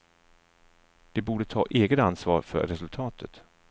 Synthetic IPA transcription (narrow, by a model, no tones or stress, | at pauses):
d̪̥ɛbuːɖət̪ʰɑ̰ːʔeːɡət̪ansvɑ̰ːɾfœ̰ɾɾɛsɵlt̪ʰɑːt̪ʰət̪